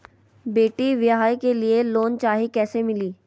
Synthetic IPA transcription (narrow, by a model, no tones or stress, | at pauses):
beːʈiʋjɦaːjkelieloːnt͡ʃaːɦikɛːsemɪliː